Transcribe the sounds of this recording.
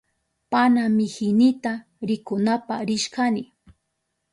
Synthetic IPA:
panamɪhɪnɪt̪a | ɾɪkʊnapaɾɪʃkanɪ

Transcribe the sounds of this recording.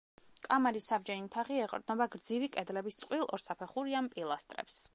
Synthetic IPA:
kʼamaɾissabd͡ʒɛnit̪ʰaʁiɛqʼɾd̪nɔbaɡɾd̪zivikʼɛd̪lɛbist̪sʼqʼwilˠɔ̰ɾsapʰɛχuɾiampʼilˠast̪ʼɾɛ̰ps

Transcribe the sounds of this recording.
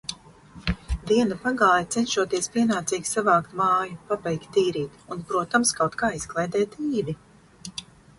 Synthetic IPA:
d̪iɛnapaɡaːjat̪sɛnʃuɔt̪iɛspʲiɛnaːt̪siːɡisavaːkt̪maːjupabɛjkt̪ʲːiːɾiːt̪unpɾuɔt̪amskawt̪kaːiz̥klˠɛjd̪ɛːt̪iːvi

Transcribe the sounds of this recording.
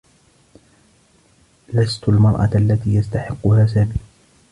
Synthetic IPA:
last̪ʊlmɑɾˤʔɑ̰ʔalːat̪iːjast̪aħɪqːʊhaːsab

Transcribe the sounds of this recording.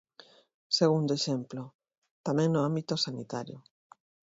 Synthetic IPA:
seɣund̪oeʃemplo | t̪amẽŋnʊambit̪osanit̪aɾjo

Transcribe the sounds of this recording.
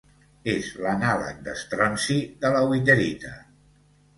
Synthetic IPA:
ezlənalə̰k̚d̪əst̪ɾɔnsiðələwit̪əɾit̪ə

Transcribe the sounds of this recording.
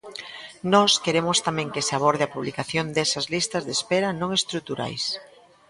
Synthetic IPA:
nɔskeɾemʊst̪amɛ̃ŋkeseaβ̞ɔɾðeɐpuβlikaθjond̪ɛsɐzlist̪ɐzðespɛɾɐnõŋest̪ɾut̪uɾa̰js

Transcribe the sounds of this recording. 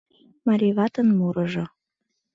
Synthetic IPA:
mɑɾʲiβɑt̪ənmuɾɤʒŏ

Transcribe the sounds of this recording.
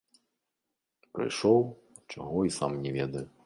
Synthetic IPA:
pɾɨ̰jʂɔw | t͡ʂa̰ɣɔisamnʲɛvʲɛd̪ɐju

